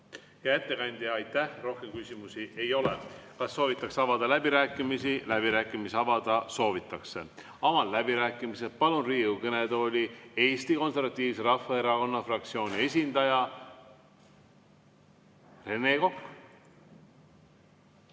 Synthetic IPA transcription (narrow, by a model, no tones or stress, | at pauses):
jɑet̪ːe̞kɑnʲd̪̥ʲiɑjt̪ːæhro̞hkemkysʲimusie̞jo̞lekɑsːo̞ːvit̪ˑːɑksɑvɑd̪ɑlæb̥iɾæːkːˑimisilæb̥iɾæːkːˑimiseɑvɑd̪̥ɑso̞ːvit̪ːˑɑkse | ɑmɑllæbiɾæːkːˑimise̞d̪̥̚pɑlunriːukɤne̞d̪olʲieːst̪iko̞nse̞rvɑt̪ʲːˑiːvse̞ɾɑhːɑe̞ɾɑko̞nːɑfrɑk̚t̪sio̞ːnʲie̞s̬ʲind̪̥ɑjɑ | re̞neko̞kː